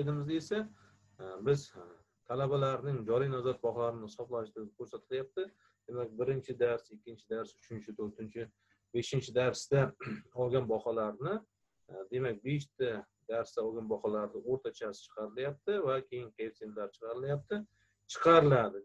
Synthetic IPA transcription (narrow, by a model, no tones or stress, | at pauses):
ed̪ɪmɪzd̪esa | bɪz | t̪ʰalabalaɾnɪŋd͡ʒɒɾijnɒzɒt̪̚bɒhɒlaɾɪnɪsɒplˠanɪʃt̪ɪɪkʲʰɵɾsat̪ʰɪljap̚t̪ɪ | d̪̥e̞mak̚ʲbɪɾɪnt͡ʃʰɪd̪aɾsɪkʲːɪnt͡ʃʰɪd̪aɾsʊ̥t͡ʃʰɪnt͡ʃʰɪt̪ʰɵɾt̪ɪnt͡ʃʰɪ | be̞ʃɪnt͡ʃʰɪd̪aɾst̪aɒlˠɡʲanbɒχɒlaɾnɪ | d̪e̞mak̚ʲbeʃt̪ʰa | d̪aɾst̪aɒlˠɡʲanbɒχɒlaɾnɪoɾt̪ʰat͡ʃʰasɪ̥t͡ʃʰɨ̥qʰɑɾɪljap̚t̪ɪvakʲʰe̞jɪnkʲet̪ʰent̪laɾt͡ʃʰɨ̥qɑɾɪljap̚t̪ʰɪ | t͡ʃʰɨ̥qʰɑɾɪlad̪ɪ